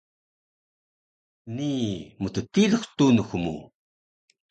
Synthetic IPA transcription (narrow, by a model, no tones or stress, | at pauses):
nimət̪ət̪iləxt̪unəxumṵ